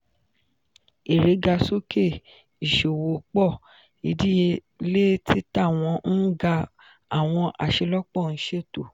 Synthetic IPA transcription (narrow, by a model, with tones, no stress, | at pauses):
e˨ɾe˨˦ɡa˧so˦ke˦˨ | i˨ʃo˨wo˨˦k͡pɔ˦˨ | i˨˦di˦je˧ | le˦ti˦ta˦˨w̃ɔ̃˧n̩˦ɡa˧ | a˦˨w̃ɔ̃˧ʔa̰˨ʃe˧lɔ˦k͡pɔ˦˨ñ̩˦ʃe˦˨to˨